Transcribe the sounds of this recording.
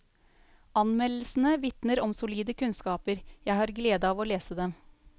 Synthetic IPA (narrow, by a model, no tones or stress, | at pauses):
ɑnmɛl̩ːsn̩əʋɪt̪nəɾɔmsʊliːd̪əkʰʉnskɑːpəɾjæɪhɑːɾɡleːd̪ɑɑːʋoːleːsəd̪ɛm